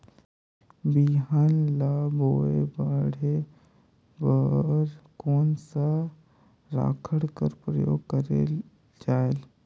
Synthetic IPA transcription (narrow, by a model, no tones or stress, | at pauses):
biɦanlaboːebaɽe | bəɾkoːnsa | ɾa̰ːkʰəɽkəɾpɾəjo̰ːɡkəɾḛ | d͡ʒaːel